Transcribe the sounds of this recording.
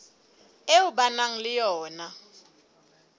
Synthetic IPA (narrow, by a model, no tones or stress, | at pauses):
euɓanaŋ̩lɪjɔːna